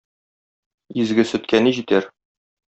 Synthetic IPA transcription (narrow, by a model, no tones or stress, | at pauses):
izɡɘsɵ̆t̪̚kæniʑit̪æɾ